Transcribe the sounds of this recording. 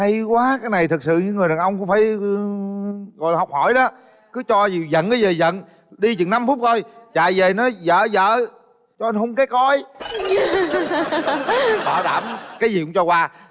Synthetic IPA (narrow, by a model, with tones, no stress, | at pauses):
ha˧jkwaː˨˦kaː˨˦jna˨˩jt̪ʰɨ˨˩k̚sɨ̰˧˨ɲɨ˧˥ŋ˨˩əɗaː˨˩nʔə˧wŋ͡mkʊ˧˥ŋ͡mfaː˧˩j | ɣɔ˨˩jhɔ˨˩wk͡p̚hɔ˧˩jɗɔ˨˦ | kɨ˨˦t͡ɕɔ˧zi˨˩zə̰˧˨nkaː˨˦jzəː˨˩zə̰˧˨n | ɗi˧t͡ɕɨ˨˩ŋna˧mfu˦˥p̚t̪ʰo˧jt͡ɕa̰ː˧˨jze˨˩nɔ˨˦jzə̰ː˧˨zə̰ː˧˨ | t͡ɕɔ˧ʔə˧nhə˧wŋ͡mke˨˦˥kɔ˧j | ɓaː˧˩ɗa̰ː˧˩mkaː˨˦jzi˨˩ʊ̰˨˧˦ŋ͡mt͡ɕɔ˧kwaː˧